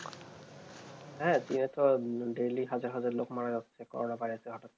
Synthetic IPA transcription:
ɦɛ̃tinɛtʰɔdeliɦazaɹɦazaɹlokmaɹaɡɔksʰɛkɔ̰ɹɔnapaɹiasɛɡʱɔtɔt̚

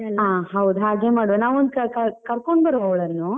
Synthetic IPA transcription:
ɦãːɦɐwud̪uɦaːɡeːmaːɽɐʋenaːʋond̪̚kɐkɐkɐɾkoɳɖbɐɾʋɐʋɭɐɾnu

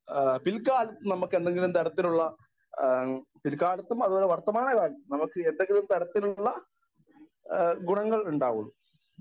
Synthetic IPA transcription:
pilkːaːlɐt̪ːunɐmukːend̪e̞ŋɡilumt̪ɐɽɐt̪ːinuɭːɐ | pilkaːlɐt̪ːumɐðuoːleʋɐrt̪ːɐmaːɳɐkaːlɐːnɐmukːɨe̞nd̪eŋɡilumt̪ɐɽɐt̪ːinuɭːɐ | ɡuɳɐŋːɐɭuɳɖaːʋumː

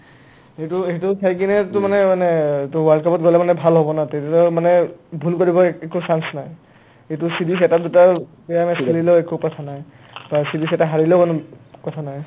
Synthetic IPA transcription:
ɦejtuejtusʰajk̬inɛtʊmanɛmanɛtʊwaldkʰapɔt̚ɡolɛmanɛbʱalɦɔbɔnatetatɔmanɛbʱulkoɹibɔɛkusansnaj | ejtʊsidisɛtadutabɛjamɛselileʊɛkukɔtʰanaj | basidisɛtaɦaɹilɛʊkonʊkɔtʰanaj

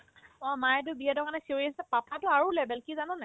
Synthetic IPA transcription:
ɔmajɛtʊbijadɔkanɛsioɹiassɛpapʰatʊaɹulɛbɛlkizanɔnɛ

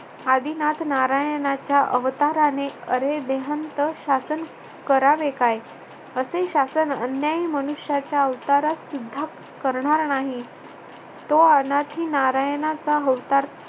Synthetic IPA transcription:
ad̪inat̪naɾajnat͡ɕjaʔəʋt̪aɾaneəɾed̪eɦənt̪əɕasən | kəɾaʋekaj | əseɕasənənjaimənuɕjat͡ɕjaəʋt̪aɾasud̪ʱːa | kəɾɳaɾnaɦi | t̪oənat̪ɦiːnaɾajənat͡saɦəʋt̪aɾ

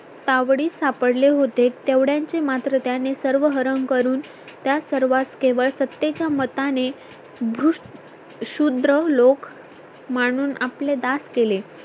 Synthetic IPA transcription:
t̪aʋɽiːsapəɽleɦot̪et̪eʋɽjaɲt͡semat̪ɾət̪janesəɾʋəɦəɾəŋkəɾuːn | t̪jasəɾʋaskeʋəɭsət̪ːet͡ɕjamət̪ane | bʱɾuʂ | ɕud̪ɾəlok | məɽ̃uːnʔapled̪askele

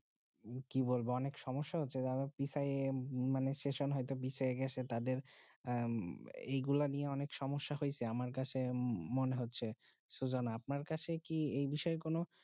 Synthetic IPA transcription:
kibolboɔnekʃɔmoʃːaɦotːɕʰed̪abepisajemanesʈeʃonɦɔjt̪opisaeɡɛt͡ɕʰet̪ad̪eɾ | ejɡulanieɔnekʃɔmoʃːaɦojt͡ɕʰeamaɾkat͡ɕʰemoneɦotːɕʰe | ʃud͡ʑonaap̚naɾkat͡ɕʰekiejbiʃɔekono

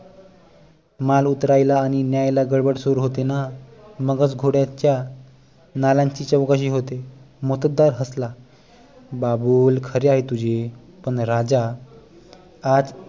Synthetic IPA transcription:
malut̪ɾajlaːɽ̃injajlaɡəɽbəɽsoɾuɦot̪enaməɡət͡sɡʱoɽjat͡ɕja | nalaɲt͡ɕiːt͡ɕəwkaɕ̬iːɦot̪e | mot̪əd̪ːaɾɦəsla | babuːlkʰəɾeaɦet̪ud͡ʑe | pəɳɾad͡ʑa | d͡z

